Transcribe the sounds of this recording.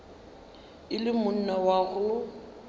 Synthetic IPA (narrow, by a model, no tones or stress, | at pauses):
ɪlɪmʊn̩nawaɣʊlʊ